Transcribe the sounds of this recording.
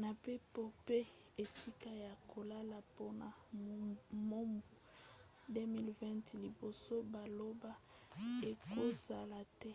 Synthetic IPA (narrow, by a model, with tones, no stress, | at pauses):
na˨pe˦po˦pe˦e˨si˦ka˦ja˨ko˨la˦la˨po˦na˨ | mo˦mbu˨de˦mi˦lvɛ̃˦ntli˨bo˨so˦ba˨lo˦ba˦ | e˨ko˦za˨la˨tɛ˦